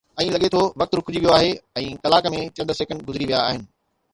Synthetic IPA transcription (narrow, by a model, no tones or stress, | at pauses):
ɛ̃ːlɐɠet̪ʰoʋɐk̚t̪ɾʊkʊd͡ʑiʋijoaːɦeɛ̃ːkɐlaːkəmẽt͡ɕɐ̃nd̪əseːkə̃ɳɖɡʊzɪɾiʋijaːɦɪnɪ̆